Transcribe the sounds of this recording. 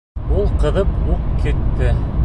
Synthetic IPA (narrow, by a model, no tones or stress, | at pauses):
ulˠqɤ̆ðɤpuqkit̪ːɘ